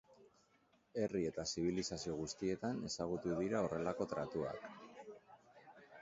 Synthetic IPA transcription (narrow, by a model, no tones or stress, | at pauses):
e̞rie̞t̪asiβ̞ilisasio̞ɣ̞ust̪ie̞t̪ane̞saɣ̞ut̪uðiɾao̞re̞lako̞t̪ɾat̪ua̰k